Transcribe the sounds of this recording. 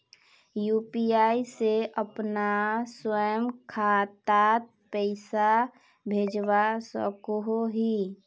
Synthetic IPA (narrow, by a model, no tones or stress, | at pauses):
jupiaːiseʔəpnaswəjəmkʰat̪at̪̚ | pəɪsa | bʱeːd͡ʒwasə̰koɦoɦi